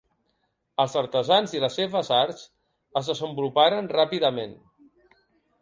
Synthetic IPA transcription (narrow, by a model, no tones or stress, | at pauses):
əlˠzəɾt̪əzanziləsːeβəzaɾs | əzðəzəmbulupaɾənrapiðəmen